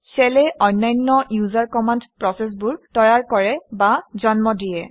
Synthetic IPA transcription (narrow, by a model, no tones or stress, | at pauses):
sɛlɛʔɔnːajnːɔjuzaɹkɔmandpɹɔsɛs̬bʊɹtɔjaɹkɔɹɛbazɔnmɔdijɛ